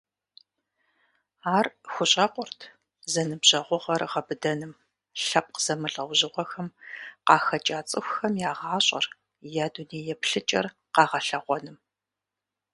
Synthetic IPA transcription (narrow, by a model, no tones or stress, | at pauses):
aːrxʷʊɕʼɐqʷʼʊrtʰ | zɐnɨbʑɐʁʷʊʁɐrʁɐbɨdɐnɨm | ɬɐp̚qz̥ɐmɨɮɐwʷʑɪʁʷɔxɐmqɑːxɐt͡ʃʼaːt͡sʼɨxʷxɐmjaːʁɑːɕʼɐ̰r | jaːduneːjɛpɬɨt͡ʃʼɐ̰r | qɑːʁɐɬɐʁʷɔnɨm